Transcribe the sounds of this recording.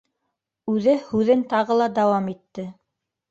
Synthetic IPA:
ʉðɘhʉðɘnt̪ɑʁɤ̆lˠɑd̪ɑwɑmit̪ːɘ

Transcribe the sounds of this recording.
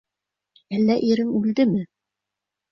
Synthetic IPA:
ælːæʔiɾɘŋʉld̪ɘmɘ

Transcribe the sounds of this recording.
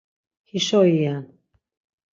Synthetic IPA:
hiʃɔijan

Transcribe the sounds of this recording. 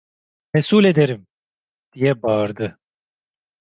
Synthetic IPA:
mɛsuːled̪eɾim | d̪̥ijɛbaːɾd̪ɯ

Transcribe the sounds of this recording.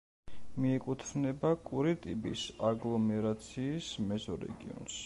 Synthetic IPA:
miɛkʼut̪ʰvnɛbakʼuɾit̪ʼipʼḭsaɡlˠɔmɛɾat̪sʰiːsmɛzɔɾɛ̰ɡḭɔ̰nʃ

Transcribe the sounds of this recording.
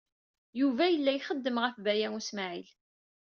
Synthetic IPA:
juvæjəlːæjχəd̪ːəmʁəfbæjæŋusmaʕil

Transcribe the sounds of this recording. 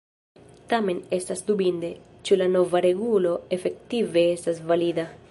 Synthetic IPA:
t̪ame̞ne̞st̪asd̪ubind̪e | t͡ʃulanovaɾeɡulo̞efe̞k̚t̪ive̞est̪asvalid̪a

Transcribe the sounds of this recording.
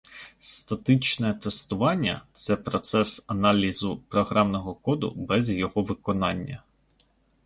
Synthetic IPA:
st̪ɐt̪ɪt͡ʃnɛt̪est̪ʊʋɑnʲːɐ̰t̪sɛpɾɔt̪sɛsɐnɑlʲizʊpɾɔɦɾɑmnɔɦɔkɔd̪ʊ̰bɛzjɔɦɔʋɪkɔnɑnʲːɐ̰

